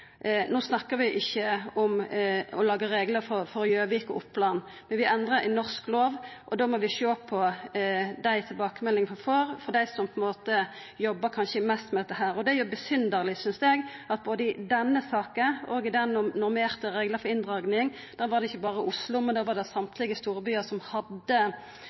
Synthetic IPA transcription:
noːsnɑkːəʋɪʔɪçːəʊmɔlɑːɡəɾeːɡləɾfɔɾfɔɾjøːʋɪkɔ̰ʔʊpʰːlɑn | mɛnʋɪʔɛnd̪ɾəɪnɔʁskloːʋʔɔd̪oːmɔʋɪʃoːpʰːɔ | d̪æɪt̪ʰɪlbɑːkəmɛlːɪŋfɔføɾfɔd̪æɪsɔmpʰɔɛnmoːt̪ə | jɔbːəkʰɑnʃəmæst̪mɛd̪ɛt̪ːəɦæːɾɔd̪ɛæɾjʉbəsʏnd̪əɾlɪsʏnsɛɡɑt̪̚boːd̪əɪd̪ɛnːəsɑːkənɔɡɪd̪ɛnʊnʊɾmeːʁt̪əɾeːɡləfɔɾɪnd̪ʁɑːɡnɪŋ | d̪̥ɑːʋɑʁd̪ɛɪçːəbɑːɾəʔʊslʊmɛnd̪ɑːʋɑd̪ɛsɑmt̪ʰlɪɡəst̪uːɾəbyːəɾsɔmhɑd̪ːə

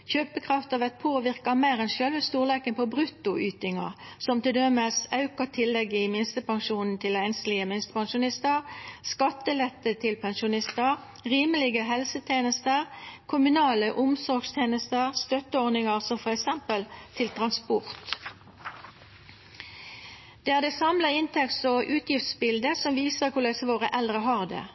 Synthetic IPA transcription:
çøːpəkʰʁɑft̪ɑʋɛt̪̚pʰoːʋɪʁkɑmeːʁɛnʃølʋəst̪uːʁleːkənpʰɔbʁʉt̪ːʊʔyːt̪ɪŋɑ̰ʁ | sɔmt̪ɪld̪ɛməsɑʉkɑt̪ʰɪlːɛɡɪmɪnst̪əpɑŋʃuːnn̩t̪ʰɪlæɪnslɪəmɪnst̪ə̥pɑŋʃʊnɪst̪əʁskɑt̪ːəlɛt̪ːət̪ʰɪlpʰɛnʃʊnɪst̪əʁ | ʁiːməlɪɡəɦɛlsət̪ʰeːnəst̪əʁkʰʊmʉnɑːləʔʊmsɔʁɡst̪ʰeːnəst̪əʁst̪œt̪əɔʁnɪŋəʁsɔmfɔʁɛksɛmpəlt̪ʰɪlt̪ʰʁɑnspʊʁt̪ | d̪̥eːæːʁd̪ɛsɑmləɪnt̪ʰɛktsɔʔʉːt̪jɪft̪sbɪld̪əsɔmʋiːsəʁkʰʊlesəʋoːʁəʔɛld̪ʁəɦɑːʁd̪ḛː

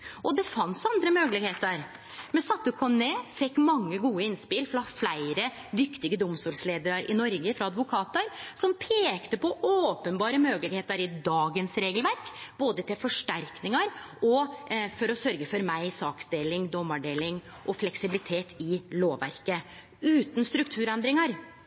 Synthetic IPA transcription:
ʔɔd̪ɛfɑnsɑnd̪ɾəmøːɡəlɪɡheːt̪əɾ | mɛsɑt̪ːəkʰɔneːfɛkːmɑŋːəɡuːəɪnspɪlfɾɑflæɪɾə | d̪ʏkt̪ɪɡəd̪ʊmst̪uːlsleːd̪əɾɑɾʔɪ̰nɔɾɡəfɾɑɑd̪ʋʊkʰɑːt̪əɾsɔmpʰeːkt̪əpɔoːpənbɑːɾəmøːɡəlɪɡheːt̪əɾɪd̪ɑːɡənsɾeːɡəlʋæɾkb̥oːd̪ət̪ʰɪlfɔʂʈæɾknɪŋɑɾʔɔfɔɾɔsœɾɡəfɔɾmæɪsɑːkst̪ɪlːɪŋd̪ɔmɑɖeːlɪŋ | ʔɔflɛksɪbɪlɪt̪ʰeːt̪ʰɪloːʋæ̰ɾkə | ʉːt̪n̩st̪ɾʉkt̪ʰʉːɾɛnd̪ɾɪŋɑɾ

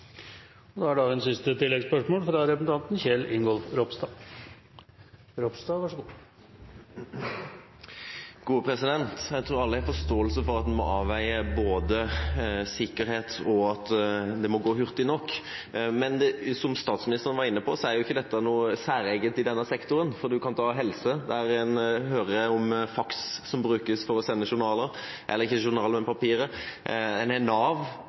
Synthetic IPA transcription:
ɔd̪ɛæɖɑɛnsɪst̪ət̪ɪlːɛɡspœʂmoːlfɾɑɾɛpəsn̩t̪ɑnt̪n̩çɛlɪŋɡɔlfɾɔpst̪ɑː | ɾɔpst̪ɑʋɑʂəɡu | ɡ̥uːpʰɾɛsɪd̪ɛnt̪jæɪt̪ʰɾuːɾɑlːəææɾfɔʂt̪oːəlsəfɔɾɑt̪d̪ɛmɔ̰ʔɑːʋæɪəboːd̪əsɪkːəɾheːt̪ɔɑt̪d̪ɛmɔɡoːɦʉɾt̪ɪnɔkːmɛnɛsɔmst̪ɑːt̪smɪnɪst̪əɾənʋɑɾɪnːəpɔsɔæɾjʊɪçːəd̪ɛt̪ːənuːəsæːɾɛɡət̪ɪd̪ɛnːəsɛkt̪ʊɾənfɔɾd̪ʉkʰɑnt̪ʰɑːɦɛlsəd̪ɛæɾɛnhøːɾəɔmfɑksːɔmbɾʉːkəsfɔɾɔsɛnːəʃʊɾnɑːləɾ | ʔɛlːəɾɪçːəʃʊɾnɑːləɾmɛnpʰɑpiːɾə | ɛnɛnɑːʋ

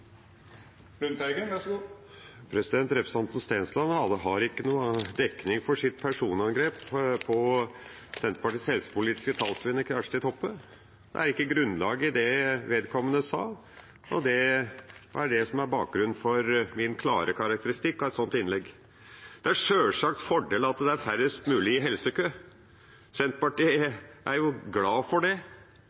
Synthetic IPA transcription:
lʉnt̪ʰæɪɡə | pʰɾɛsɪd̪ɛnt̪ɾɛpɾə̥sɑnt̪n̩st̪eːnslɑnhɑd̪əɦɑɾɪkːənuːd̪ɛkːnɪŋfɔʂɪt̪̚pʰæʂuːnɑnɡɾeːppʰɔ | sɛnt̪ə̥pɑʈishɛlsə̥pʊliːt̪ɪ̥skət̪ʰɑːlsʋɪnːəkʰɾæʂt̪ɪt̪ʰɔpːə | d̪ɛ̰æɾɪkːəɡɾʉnːlɑːɡəɪd̪ɛʋeːd̪kʰɔmːənəsɑ̰ːl | ɔ̰d̪ɛ | æɖɛsɔmæɾbɑːk̚ɡɾʉn̩ːfɔɾmɪnkʰlɑ̰ːɾʔəkʰɑɾɑk̚t̪əɾɪst̪ɪkːɔɛt̪sɔnt̪ɪnlɛɡ | d̪̥ɛæʂøːlʂɑk̚t̪fɔɖeːləɑt̪d̪ɛæɾfæɾəst̪mʉːlɪɪɦɛlsəkʰøː | sɛnt̪pɑʈiːʔæɾjʊɡlɑːfɔɖɛ

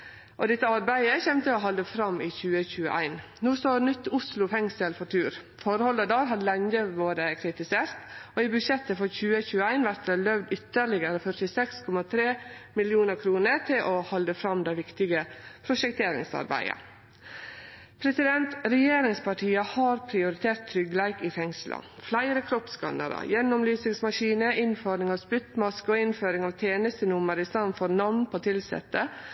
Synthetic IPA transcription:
ʔɔd̪ɛt̪ːəɑɾbæɪəçɛmt̪əɔɦɑld̪əfɾɑmːiːçʉːəçʉːə̰ʔæ̰ɪn | nuːst̪oːnʏt̪ːʊslʊfɛŋsɛlfɔt̪ʰʉːɾ | fɔɾhɔld̪əd̪ɑːɾɦɑd̪lɛɲəʋoːɾəkʰɾɪt̪ɪseːɾt̪oːiːbʉʂɛt̪ːəfɔɾçʉːəçʉːəæɪnʋæɾt̪d̪əlœʋd̪ʏt̪ːəɾɭɪɡəɾəfœʈɪsɛkskʰɔmɑt̪ʰɾeːmɪlɪuːnəɾkʰɾuːnəɾt̪ʰɪlʔɔhɑld̪əfɾɑmd̪æɪʋɪkt̪ɪɡəpʰɾʊʃɛkt̪ʰeːɾɪ̰ŋsɑ̰ɾbæ̰ɪə̰ | pʰɾɛsɪd̪ɛnt̪ɾɛjeːɾɪŋspɑʈʰiːəhɑːɾpʰɾɪʊɾɪt̪ʰeːɾʈt̪ʰːɾʏɡlæɪkɪfɛŋslʔə̰flæɪɾəkʰɾɔpskɑ̰nə̰ɾə̰jɛnɔmlyːsɪŋsmɑʃiːnəʔɪnfɔɾnɪŋɑʋspʏt̪mɑskəɔɪnføːɾɪŋɑʋt̪ʰeːnəst̪ənʊməɾɪst̪ɑnfɔɾnɑʋnpʰoːt̪ʰɪlsɛ̰t̪ːə

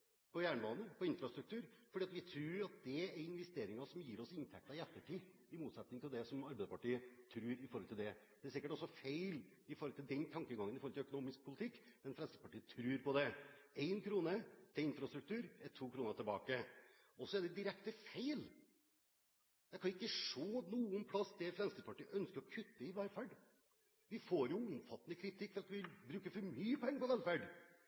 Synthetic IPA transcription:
pʰɔjæːɳəbɑːnən̩pʰɔɪnfɾɑst̪ɾʉk̚t̪ʰʉːɾfɔɖiːɑt̪ʋɪt̪ʰɾʉːɾɑt̪̚d̪ɛæɾɪnʋɛst̪eːɾɪŋɑsɔmjiːɾɔsɪnt̪ʰæk̚t̪ɑɪɛt̪ːəʈʰiː | ɪmuːt̪sɛt̪nɪŋt̪ʰɪld̪ɛsɔmɑɾbɛɪd̪əpʰɑʈiːət̪ʰɾʉːɾɪfɔɾhɔlt̪ɪld̪ɛd̪ɛæsɪkːəʈɔsːɔfeɪl | ɪfɔɾhɔlt̪ɪld̪ɛnt̪ʰɑŋkəɡɑŋəɪfɔɾɔlʰɪœkʊnuːmɪsk̚pʰʊlɪt̪ʰɪkːmɛnfɾɛnsə̥pɑʈiːət̪ʰɾʉːɾpɔd̪ɛeɪnkʰɾuːnət̪ʰɛɪnfɾɑst̪ɾʉk̚t̪ʉːɾɛt̪ʰːuːkʰɾuːnəɾt̪ʰɪlbɑ̰ːkə | ɔsːɔɛɖɛd̪ɪɾɛkt̪əfeɪl | d̪ɛkʰɑnʊɪkːəʂoːnuːʊnpʰlɑsːd̪ɛfɾɛnst̪əɾpʰɑʈiːʔœnskəɾɔkʰʉt̪ːəɪʋælfæːɖ | ʋɪfoːɾjʊʊmfɑt̪ːənəkʰɾɪt̪ʰɪkːfɔɾɑt̪ʋɪbɾʉːkəfɔɾmyːəpʰɔɛŋːəpɔʋɛlfæɖ

